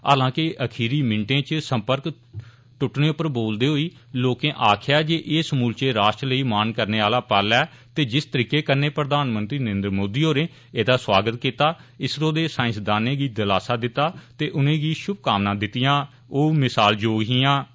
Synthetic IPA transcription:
a̰ːlãːkɪʔəkʰiːɾiːmɪ̃ɳʈẽːt͡ʃsə̃mpəɾk | ʈʊʈnẽːʊpːəɾboːld̪eːɦoːiː | loːkẽːʔaːkʰjaːd͡ʒeːʔɪːsmuːlt͡ʃeːɾaːʃʈɾləiːmaːnkəɾneːaːlaːpaːlɛː | t̪eːd͡ʒɪst̪əɾiːkeːkəɾneːpɾəd̪aːnmə̃nt̪ɾiːnəɾẽːnd̪ɾmoːd̪iːoːɾẽː | eːd̪aːswaːɡət̪kiːt̪aːɪsɾõːd̪eːsaːɪ̃nsd̪aːnẽːɡiːd̪əlaːsaːd̪ɪt̪ːaːt̪eːʔʊnẽːɡiːʃʊb̚kaːmnãːd̪ɪt̪ːɪjãː | oːmɪsaːld͡ʒoːɡɦiːãː

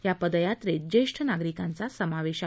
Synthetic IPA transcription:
japəd̪jatt̪ɾed͡ʑeʂʈʰənaɡɾikãnt͡sasəmaʋeɕ

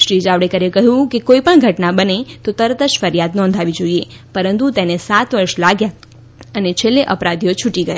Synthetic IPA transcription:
ʃɾid͡ʒaʋɽekəɾekəɦjũkekoipəɳɡʱəʈnabənet̪ot̪əɾət̪əd͡ʒfəɾjad̪nɔ̃nd̪ʱaʋid͡ʒoie | pəɾənt̪ut̪enesat̪ʋəɾʃlaɡja | ənet͡ʃʰelːeʔəpɾad̪ʱijot͡ʃʰuʈiɡəja

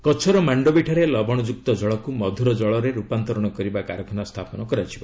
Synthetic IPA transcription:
kɔt͡ʃʰɔɾɔmaɳɖɔbiʈʰaɾelɔbʱɔɽ̃ɔd͡ʒuk̚t̪ɔd͡ʒɔɭɔkumɔd̪ʱuɾɔd͡ʒɔɭɔɾeɾupant̪ɔɾɔɽ̃ɔkɔɾibakaɾɔkʰɔnast̪ʰapɔnɔkɔɾat͡ʃʰiba

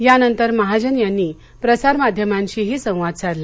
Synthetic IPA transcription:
janənt̪əɾməɦad͡ʑənjanːiː | pɾəsaɾmad̪ʱjəmãɲt͡ɕiɦiːsə̃w̃ʋad̪t͡saɾla

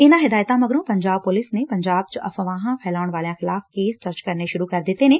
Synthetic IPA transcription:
ɪnãɦɪd̪aːjt̪ãmɐɡɾõpɐ̃ɲd͡ʒaːb̚pʊlɪsnepɐ̃ɲd͡ʒaːb̚t͡ʃʔɐ̰fəʋãːɦãpʰɛːlaːʊɽ̃ʋaːljãxɪlaːfkeːst̪ɐɾt͡ʃkɐɾneʃʊɾukɐɾd̪ɪt̪enẽː

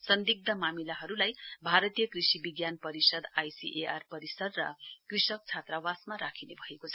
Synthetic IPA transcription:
sʌnd̪iɡ̚d̪ʱʌmamilaɦʌɾulajbʱaɾʌt̪ijʌkrisibiɡjanpʌɾisʌd̪ajsḭʔearpʌɾisʌd̪rʌ̰krisʌk̚t͡sʰat̪rawasmaɾakʰinebʱʌekot͡sʰʌ̥

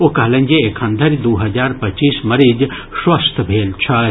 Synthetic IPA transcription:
okɐɦlɐ̃nʲd͡ʒeekʰɐ̃nd̪ʱɐɾd̪uːɦɐzaːɾpɐt͡ʃiːsmɐɾiːd͡ʒ | swɐst̪ʰbʱeːlt͡ʃʰɐ

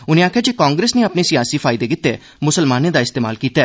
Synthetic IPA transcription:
ʊnẽːaːkʰːjaːd͡ʒeːkaːŋɡɾeːsnẽːapneːsɪjaːsiːpʰaːɪd̪eːkɪt̪ːeː | mʊsəlmaːneːd̪aːɪst̪eːma̰ːlkiːt̪aː

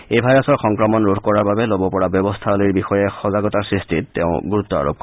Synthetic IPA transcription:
ejbʱajɔsɔɹxɔŋkɹɔmɔnɹodʱkɔɹaɹbabelobɔpɔɹabjɔbɔst̪ʰaloiɹbixɔjɛxɔzaɡɔtasɹistʰitteʊ̃ɡuɹut̪ːɔa̰ɹo̰p̚kɔ

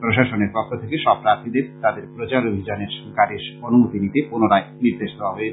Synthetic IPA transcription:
pɾoʃaʃoneɾpɔkʰːot̪ʰekeʃɔb̚ɾaɾt̪ʰid̪eɾt̪ad̪eɾpɾot͡ɕaɾobʱid͡ʑaneɾʃkaɾiʃonumut̪init̪ekonoɾaeniɾd̪eʃt̪oɦɔbe

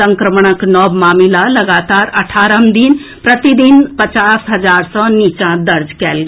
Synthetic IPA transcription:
ɐ̃ŋkɾəməɽ̃əknɔːbmaːmilalɐɡaːt̪aːɾɐʈʰaːɾəmd̪inpɾɐt̪id̪inpɐt͡ʃaːsɦɐd͡ʒaːɾsɔ̃niːt͡ʃãd̪ɐɾd͡ʒkɛːlɡɐ

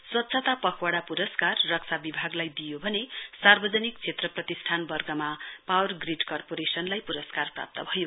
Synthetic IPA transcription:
swʌt̪sʰʌt̪apʌkʰwaɽapuɾʌskarːʌk̚sʰabibʱaɡlajd̪ijobʱʌnesarbʌd͡zʌnikt͡sʰet̪rʌprʌt̪isʈʰanbʌrɡʌmapawʌrɡriɖkʌrpoɾesʌnlajpuɾʌskarpra̰p̚t̪ʌbʱʌjo

